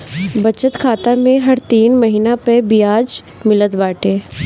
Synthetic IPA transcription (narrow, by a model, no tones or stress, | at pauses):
bɐt͡ʃət̪kʰaːt̪amẽɦɐɾt̪iːnmɐɦiːnapɛbijaːd͡ʒ | mɪləd̪baːʈeː